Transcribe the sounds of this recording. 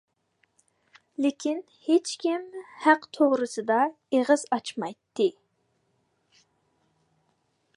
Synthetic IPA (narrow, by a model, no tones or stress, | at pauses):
lɪkʲʰin | het͡ʃkʲimhæqt̪ʰoʁɾɨsɨd̪ɑ | eʁɨzɑt͡ʃmɑjt̪ʰːɨ